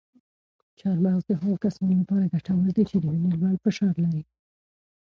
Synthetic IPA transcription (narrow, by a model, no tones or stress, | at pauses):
t͡ʃɑɾmɑɣd̪əɦaɣkasɑnolapɑɾaɡaʈawəɾd̪et͡ʃed̪əminilwɑɳfɪʃɑɾlaɾi